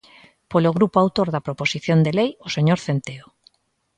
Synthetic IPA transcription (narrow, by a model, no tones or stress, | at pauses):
poloɣ̞ɾupoawt̪oɾðapɾoposiθjond̪elejoseɲoɾθent̪eo